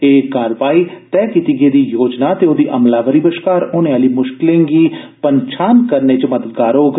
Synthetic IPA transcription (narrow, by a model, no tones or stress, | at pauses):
eːkaːɾʋaːiːt̪ɛːkiːt̪iːɡeːd̪iːjoːd͡ʒnaːt̪eːoːd̪iːʔəmlaːʋəɾiːbəʃkaːɾoːneːaːliːmʊʃkɪlẽːŋɡiː | pəɲt͡ʃʰaːnkəɾneːt͡ʃəməd̪əd̪ɡaːɾoːɡ